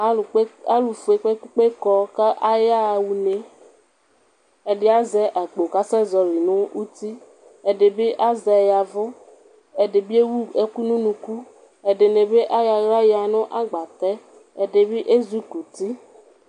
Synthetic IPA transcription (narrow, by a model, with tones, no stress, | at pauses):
a˦˨˦a˦lu˨fu˨e˨k͡pe˦ku˦k͡pe˦kɔ˦ka˦ʔa˦ja˦˨wu˨ne˨ | e˨ɖɪ˦a˦zɛ˨ʔa˨k͡po˨ka˦sɛ˦zɔ˨ɾi˨nʊ̃˦u˦t̪i˦ | ɛ˨de˨be˦ʔa˦zɛ˨ja˨vʊ˦ | ɛ˨dɪ˨bi˦e˦wu˦e˦ku˦nũ˦nũ˨ku˦ | e˨de˨ne˨be˦ʔa˦ja˨ɣa˦jɪ˦a˨nʊ̃˦ʔa˦ɡ͡ba˨t̪ɛ˦ | ɛ˨de˨bɪ˦ʔe˦zu˦ku˨t̪i˦